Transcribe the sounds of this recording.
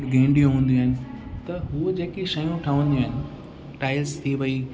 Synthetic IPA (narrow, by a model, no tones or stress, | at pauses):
ɡẽːɳɖijõɦũːn̆d̪ĩaːɦɪnɪ̆ | t̪ɐɦud͡ʑeːkiʃɐjũʈʰɐʋə̃nd̪iũaːɦɪnɪ̆ | ʈaːɪlst̪ʰiʋɐi